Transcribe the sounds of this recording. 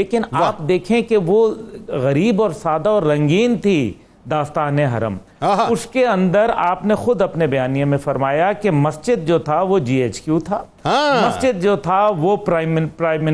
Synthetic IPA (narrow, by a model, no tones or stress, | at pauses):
leːkɪnaaːpd̪eːkʰẽkeʋoɣɐɾiːbɔːɾsaːd̪aɔːɾːɐ̃ŋɡiːnt̪ʰi | d̪aːst̪aːneɦɐ̰ɾə̰m | ʊskeɐ̃nd̪əɾaːpnexʊd̪ɐpnebɐjaːnijãmẽfɐɾmaːjakemɐst͡ʃɪd̪̚d͡ʒoːt̪ʰaʋod͡ʒiːeːt͡ʃkjut̪ʰaː | mɐst͡ʃɪd̪̚d͡ʒoːt̪ʰaʋopɾɪmpɾaːɪmɪ